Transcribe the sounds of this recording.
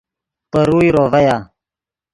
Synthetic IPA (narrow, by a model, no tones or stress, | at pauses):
pəɾuːjɾoːvɐjaː